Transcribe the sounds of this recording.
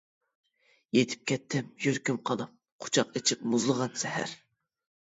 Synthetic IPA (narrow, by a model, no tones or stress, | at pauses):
jet̪ʰɪ̥p̚kʲɛt̪ʰːɪmjøɾkʲymqʰɑlˠɑp̚ | qʰʊ̥t͡ʃʰɑqet͡ʃʰipmuzlˠəʁɑnsɛhæ̰ɾ